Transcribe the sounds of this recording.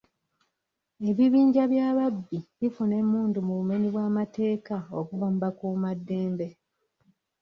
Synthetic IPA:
e̞βiβiːɲɟaβjaːβabːiβifune̞muːndumuβume̞niβwaːmate̞ːkaokuβaːmbakumadːe̞ːmbe̞

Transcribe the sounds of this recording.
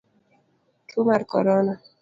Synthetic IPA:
tʰumaɾkɔ̰ɾɔna

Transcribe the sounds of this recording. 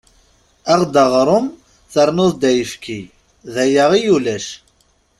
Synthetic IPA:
æʁd̪əʁɾˤʊm | θəɾˤnʊðˤd̪æjəfkʰi | ðæjæʁijulæʃ

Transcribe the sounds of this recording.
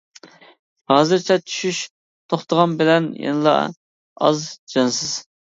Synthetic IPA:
hɑːzɨɾt͡ʃʰɛt͡ʃʰy̥ʃyʃ | t̪ʰoχt̪ʰəʁɑnbɪlɛnjḛnɨlˠɑ̰ | ɑ̰zd͡ʒɑnsɨz̥

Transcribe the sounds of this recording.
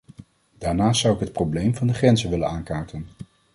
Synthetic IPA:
d̥aːɹnaːstsʌwɪkɦət̚prowblejmvɑndəχrɛnzəʋɪlənaːŋkaːɹtən

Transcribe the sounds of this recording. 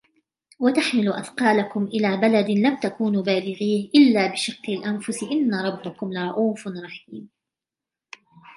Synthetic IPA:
wat̪aħmɪlʊʔa̰θqɑːlakʊmʔɪlaːbalad̪lamt̪akuːnbaːlɪɣiːhʔɪlːaːbɪʃɪqːɪlʔanfʊsɪʔɪnːaɾˤɑbːakʊmlɪɾˤɑʔuːfnɾˤɑħiiːm

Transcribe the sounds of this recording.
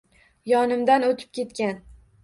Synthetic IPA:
jɒnɪmd̪anot̪ʰɪ̥p̚kʲe̞t̪̚kʲan

